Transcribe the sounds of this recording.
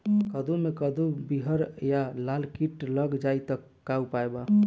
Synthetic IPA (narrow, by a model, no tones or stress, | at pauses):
kəd̪ʱumekəd̪ʱubiɦəɾjalalkiʈləɡd͡ʒait̪əː | aupaeba